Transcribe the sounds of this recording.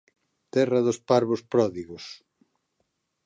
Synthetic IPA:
t̪ɛrɐðospaɾβospɾɔðiɣos

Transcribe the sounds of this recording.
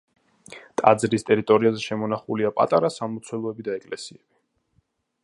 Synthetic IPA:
t̪ʼa̰d̪zɾist̪ʼɛɾit̪ʼɔɾiazɛʃɛmɔnaχuliapʼa̰t̪ʼaɾasamɔt̪sʰwɛlˠɔɛbid̪aɛkʼlɛsiɛb̥i

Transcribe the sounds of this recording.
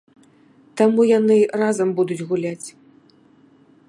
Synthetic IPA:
t̪amujanɨrazɐmbud̪ud͡zʲɣulʲat͡sʲ

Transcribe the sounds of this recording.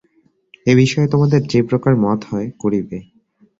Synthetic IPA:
eβiʃɔet̪omad̪eɾd͡ʑepɾokaɾmɔt̪hɔekoɾibe

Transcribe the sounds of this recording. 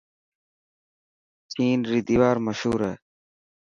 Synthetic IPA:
t͡ɕiːnɾid̪iwaːɾmɐɕuːɾeː

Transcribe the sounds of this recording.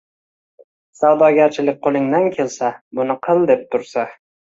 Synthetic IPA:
sawd̪ɒɡʲaɾt͡ʃʰɪlɪk̚ʲqʰolˠɪŋd̪ankʲʰe̞lsabʊnɪqʰɨlˠd̪e̞p̚t̪ʰʊɾsa

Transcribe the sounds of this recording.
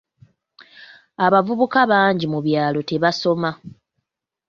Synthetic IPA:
aβavuβukaβaːɲɟimuβjaːlo̞te̞βaso̞ma

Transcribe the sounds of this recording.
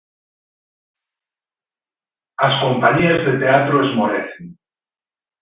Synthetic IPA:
asko̞mpaɲiazðet̪eat̪ɾoezmoɾeθen

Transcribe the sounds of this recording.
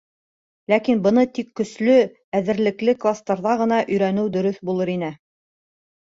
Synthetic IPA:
lækinbɤ̆nɤt̪ikːɵ̆slɵ | æðɘ̆ɾlɘ̆klɘklˠast̪ɑɾðɑʁɤ̆n̪ɑʔɵ̆jɾænɘwd̪ɵ̆ɾɵθbulˠɤɾinɘ

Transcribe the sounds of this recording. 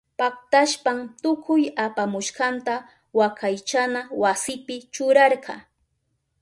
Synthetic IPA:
pak̚t̪aʃpamt̪ʊkʰʊjapamʊʃqɑnt̪a | wakʰajt͡ʃanawasɪpɪt͡ʃʊɾɑɾɢɑ̰

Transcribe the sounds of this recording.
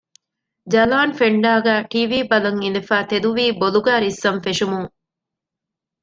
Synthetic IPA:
d͡ʒɐlaːnfeɳɖaːɡæːʈiːʋiːbɐlɐŋinefæːt̪ed̪uʋiːboluɡæːɾisːɐmfeʂumuŋ

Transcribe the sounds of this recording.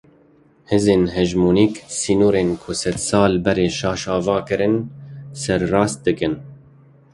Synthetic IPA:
hɨzeːnɦɛʒmuːniːksiːnuːɾeːnkʰʊsɛt̪sɑːlbɛɾeːʃɑːʃɑːvɑːkɨɾɨnsɛɾːɑːst̪̚d̪ɨkɨn

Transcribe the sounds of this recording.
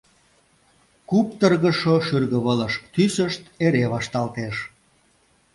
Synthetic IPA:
kup̚t̪ərɣəʃoʃyrɣəβələʃt̪ysəʃt̪eɾeβɑʃt̪ɑlt̪eʃ

